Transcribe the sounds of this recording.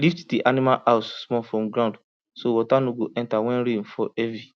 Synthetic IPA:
liftdiʔanimalʔaʊssmɔfɔ̃mɡɾãnd | sowɔtanoɡoʔɛ̃ntawɛ̃nɾĩnfɔʔɛvi

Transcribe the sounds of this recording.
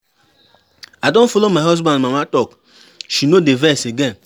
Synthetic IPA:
adon̩folomaɦɔzbɔ̃ndmamatɔk | ʃinodevɛseɡen

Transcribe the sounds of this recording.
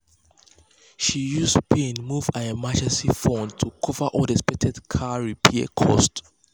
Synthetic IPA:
ʃijuspĩnmuvaəmad͡ʒɛ̃nsifɔ̃ntʰukʰɔvəʔɔdɛspɛtʰɛdkʰaɹipʰiə̰kʰɔ̰st

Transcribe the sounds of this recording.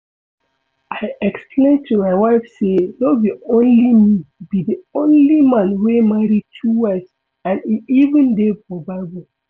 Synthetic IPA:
aɪʔɛkspʰlẽntʰumaɪwaɪfselɔviõnlimibiðiõnlimãnwemaɹitʰuwaɪs | ãniʔivə̃ndepɔbabo

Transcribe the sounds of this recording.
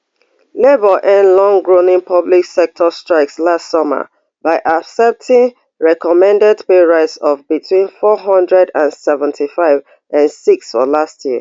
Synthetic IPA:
lebɔʔɛ̃nlɔ̃ŋɡɹonĩŋpʰʌbliksɛk̚tʰɔstɹ̥aɪkslastsɔmə̰ | baɪʔabsɛp̚tʰĩŋ | ɹɛkɔmɛ̃ndɛdpeɹaɪtsɔvbitʰwĩnfɔɦɔ̃ndɹɛdãnsɛvə̃ntʰifaɪv | ãnsiksfɔlastʰjiə

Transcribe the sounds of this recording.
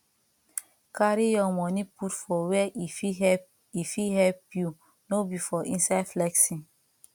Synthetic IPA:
kaɾijɔmɔ̃niputfɔwɛʔifiɛ | ifiɦɛpju | nobifɔʔĩnsaflɛksĩn

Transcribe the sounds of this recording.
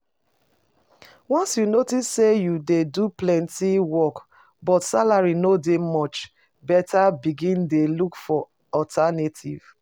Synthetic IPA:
wɔ̃nsjunotisːejudeduplɛ̃ntiwɔk | bɔtsalaɹinodemɔt͡ʃ | bɛtabiɡĩndelukfɔ | ɔtʰanetʰḭv̥

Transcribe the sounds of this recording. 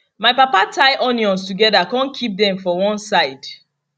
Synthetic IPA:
maɪpapatʰaɪʔɔ̃niɔ̃nstuɡɛdakɔ̃nkʰip̚dɛ̃ɱfɔwɔ̃nsaɪd̥

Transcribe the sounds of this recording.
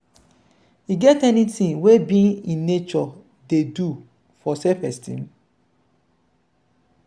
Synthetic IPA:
hiɡɛtɛnitĩŋwebĩnĩnːet͡ʃɔ | dedu | fɔsɛpɛstḭ̃m

